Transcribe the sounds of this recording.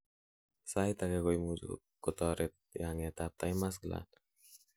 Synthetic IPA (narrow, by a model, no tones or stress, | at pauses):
sajt̪aɡɛɡɔjmud͡ʒṵ | kɔt̪ɔɾɛt̪̚jaŋɛt̪ap̚t̪ajmas̬ɡəla̰n